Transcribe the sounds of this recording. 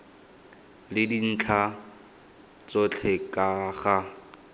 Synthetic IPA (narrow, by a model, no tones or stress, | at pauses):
lɪdin̩t͡ɬʰa | t͡sɔt͡ɬʰɛkʼaχa